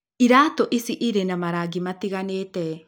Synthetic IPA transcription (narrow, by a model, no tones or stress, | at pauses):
iɾatoʔisiʔiɾenamaɾaɡimatiɣanetɛ